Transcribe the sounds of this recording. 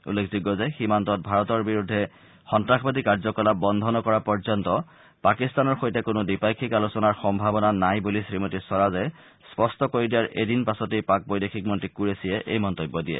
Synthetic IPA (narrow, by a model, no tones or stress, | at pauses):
ṵlːekʰziɡːɔzɛximantɔt̚bʱaɹɔtɔɹbiɹudʱːɛ | xɔntɹaxʰbadikaɹzɔkɔlabɔnd̪ʱɔnɔkɔɹapɔɹzɔntɔ | pakistanɔɹxojtɛkʊnʊdipajkʰikalusɔnaɹxɔmbʱabɔnanajbulisɹimotisɔɹazɛ | spɔstɔkoɹidijaɹʔedinpasɔtejpak̚bojdexʰik̚mɔntɹikuɹesiɛʔejmɔntɔbːɔdijɛ̰